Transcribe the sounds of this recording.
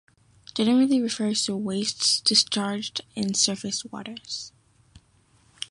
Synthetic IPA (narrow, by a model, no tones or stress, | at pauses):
d̥d͡ʒ̥ɛnəɹɨtliɹɨfɜ˞z̥tʰəweɪstsd̥ɨst͡ʃʰɑɹd͡ʒdɨ̃nsɜ˞fɨswɔ̰ɾə˞z̥